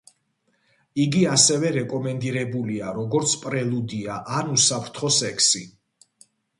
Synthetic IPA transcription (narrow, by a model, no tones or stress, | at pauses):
iɡiasɛvɛɾɛkʼɔmɛnd̪iɾɛbuliaɾɔɡɔɾt̪sʰpʼɾɛlˠud̪iaʔanusapʰɾt̪ʰχɔsɛkʰsi